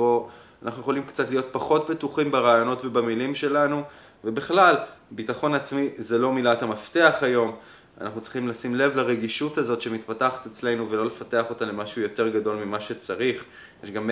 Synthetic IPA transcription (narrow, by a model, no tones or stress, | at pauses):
oanʔaχnujeχo̞limkt͡satlijo̞t̚paχo̞t̚betuχimbeʁaːjo̞no̞tvebamilimʃe̞lanu | vebiχlalbitaχo̞nat͡smizelo̞milathamafteaχajo̞m | a̰naχnutt͡sʁi̥χimlasimle̞vlaʁeɡiʃutazo̞tʃe̞mitpataχḁtet͡sle̞nuvelo̞le̞fate̞aχo̞talemaʃujo̞te̞ʁɡado̞lmimaʃe̞t͡saʁiχ | jeʃɡam